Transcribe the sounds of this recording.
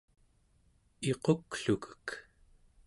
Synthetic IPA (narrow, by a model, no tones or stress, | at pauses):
eqokɬukə̥k